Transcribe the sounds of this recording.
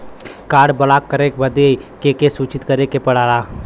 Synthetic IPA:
kaːɽbɐlaːkːəɾekbɐd̪ekekesuːt͡ʃɪt̪kəɾekepɐɽ̤aːlaː

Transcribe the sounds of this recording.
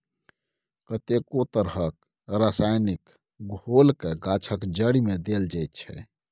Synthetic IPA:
kət̪ekot̪əɾɦək | ɾasajnik | ɡʱolkeɡat͡ʃʰəkd͡ʒəɽimed̪eld͡ʒajt̪̚t͡ʃʰɛ̰

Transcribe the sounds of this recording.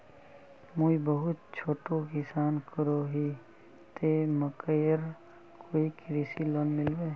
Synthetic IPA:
muibəɦʊt̪̚t͡ʃʰoːʈokɪsaːnkəɾoːɦi | t̪eːməkəjəɾ | kʰoːikɾiːsilɔːnmɪlweː

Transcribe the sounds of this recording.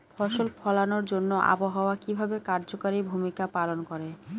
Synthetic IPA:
fʰɔʃolpʰɔlanoɾd͡ʑonːoʔa̰boɦaoakibʱabekaɾd͡ʑokaɾibʱumikapalonkoɾe

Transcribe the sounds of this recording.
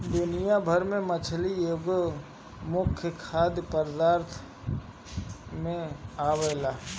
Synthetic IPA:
d̪ʊnɪjabʱəɾmẽmət͡ʃʰlioɡ | mʊkʰjəkʰaːd̪jpəɾd̪aːɾt̪ʰ | mẽaːʋeːlaː

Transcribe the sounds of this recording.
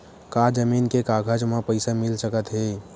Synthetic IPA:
kad͡ʒəminkekaɡʱəd͡ʒmapəɪsamilsəkət̪ɦe

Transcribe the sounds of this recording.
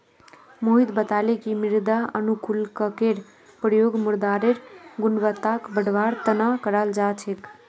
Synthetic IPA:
moɦid̪bət̪alekimiɾd̪aənukulkəkeɾ | pɾjoɡmuɾd̪aɾeɾɡunʋət̪ːakbəɽʋaɾt̪ənakəɾald͡ʒat͡ʃʰek

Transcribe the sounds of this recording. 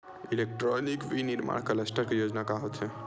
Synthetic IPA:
ilek̚ʈɾɔnikʋiniɾma̰ːɳkələsʈəɾkejod͡ʒnakaɦot̪ɦɛ

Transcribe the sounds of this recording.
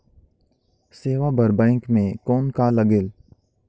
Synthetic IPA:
seːʋabʱɐɾbə̃ːɪ̃ŋkmẽkɔːnkalɐɡel

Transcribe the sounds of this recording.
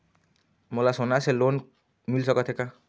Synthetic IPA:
mɔlasɔnaselon | milsɔkɔt̪ʰeka

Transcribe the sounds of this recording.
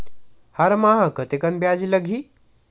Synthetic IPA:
haɾmaɦɐkət̪ekɐnbjad͡ʒiləɡʱiː

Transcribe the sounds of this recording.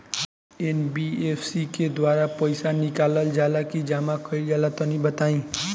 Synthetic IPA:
enbiepʰsiked̪ʋaɾapəɪsanɪkaləld͡ʒalakid͡ʒamakəild͡ʒalat̪ɔnibət̪aĩ

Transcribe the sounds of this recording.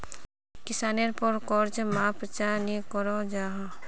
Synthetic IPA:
kɪsaːneɾpɔɾkɔːɾd͡ʒmapɾət͡ʃaːɾnikɔɾod͡ʒaːɦa

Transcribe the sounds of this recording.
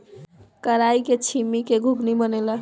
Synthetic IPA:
kəɾajket͡ʃʰimikeɡʱuɡnibənelə

